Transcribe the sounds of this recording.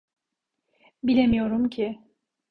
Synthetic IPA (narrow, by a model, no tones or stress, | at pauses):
bilʲemijo̞ɾumcʰɪ